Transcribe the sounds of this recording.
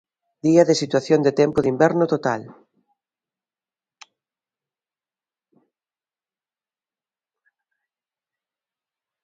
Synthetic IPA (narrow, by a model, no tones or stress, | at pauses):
d̪̥iɐðesit̪waθjond̪et̪ɛmpʊðimbɛɾnʊt̪ot̪al